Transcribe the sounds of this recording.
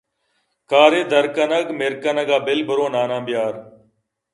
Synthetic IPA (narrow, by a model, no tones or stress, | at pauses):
kaːɾeːd̪əɾkənəɡmɪɾkənəɡaːbɪlbʱəɾoːnaːnãːbjaːɾ